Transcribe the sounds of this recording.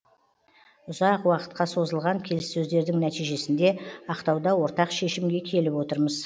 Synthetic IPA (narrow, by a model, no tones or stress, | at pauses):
ʊzɑqwɑqə̥t̪̚qɑso̞zəlˠʁɑŋkʲʰe̞lɪsːɵzd̪e̞ɾd̪ɪŋnæt̪ijʒe̞sɪnd̪e̞ɑqt̪ɑwd̪ɑwo̞ɾt̪ɑqʃe̞ʃɪmɡʲe̞kʲʰe̞lɪpwo̞t̪əɾməz